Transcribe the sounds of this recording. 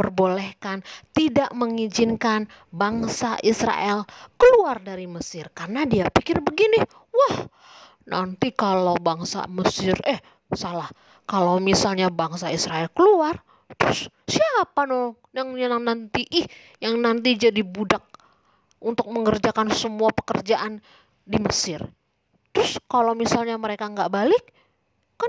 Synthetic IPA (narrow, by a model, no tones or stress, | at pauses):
pərbolɛhkant̪idaʔməŋid͡ʒɪnkan | baŋsaʔisɾa̰ʔɛlkəluardaɾiməsɪrkarnadiapikɪrbəɡini | wah | na̰nt̪ikalawbaŋsa̰məsɪrɛh | salah | kalawmisalɲabaŋsaisɾaɛlkəluar | t̪əɾʊs | siaapano | jaŋɲanaŋnant̪iʔɪh | jaŋnant̪id͡ʒadibudak̚ | unt̪ʊk̚məŋərd͡ʒakansəmuapə̥kərd͡ʒaʔan | diməsɪr | t̪əɾʊskalowmisalɲaməɾekaŋɡaʔbalɪkː | a